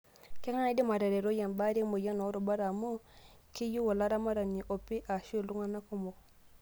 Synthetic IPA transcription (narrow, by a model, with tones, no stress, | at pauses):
ke˦ŋa˦na˦˨˦di˦ma˨ɾe˨ɾe˨ɾo˦ja˨nba˦ɾi˦mo˨ja˦no˨˦ɾo˨ba˦ɾa˨mo˦ | ki˦ju˦wo˨la˦ɾa˦ma˦ɾa˨ni˨ʔo˨pi˦ʔa˨ʃe˦˨lu˦ŋa˦na˦ku˦mo˨